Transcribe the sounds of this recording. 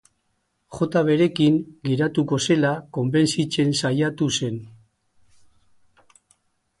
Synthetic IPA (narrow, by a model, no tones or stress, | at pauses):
xo̞t̪aβ̞e̞ɾe̞kiŋɡe̞ɾat̪uko̞se̞lako̞mbe̞nsit͡se̞nsajat̪use̞n